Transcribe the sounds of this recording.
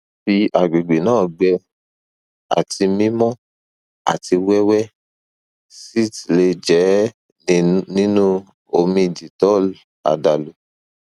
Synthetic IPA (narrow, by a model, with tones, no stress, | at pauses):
fi˧a˨ɡ͡be˨ɡ͡be˨nãː˦˨ɡ͡bɛ˧ | a̰˨ti˧mĩ˦mɔ̃˦ | a̰˨ti˧wɛ˦wɛ˦ | si˦˨tle˧d͡ʒɛ˨˦ | nĩ˦nũ˦ | o˧mĩ˧˨d͡ʒi˨tɔ˨˦ | a̰˨da˨lo˨